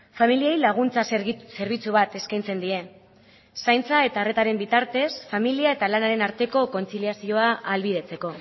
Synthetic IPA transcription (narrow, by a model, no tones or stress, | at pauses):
familiejlaɣ̞unt͡sase̞ɾβ̞it͡suβ̞at̪e̞skajnt͡se̞nd̪ie̞ | sajnt͡sae̞t̪are̞t̪aɾe̞mbit̪aɾt̪e̞sfamiliae̞t̪alanaɾe̞naɾt̪e̞ko̞ko̞nt͡siliasio̞aʔːlβið̞e̞t͡se̞ko̞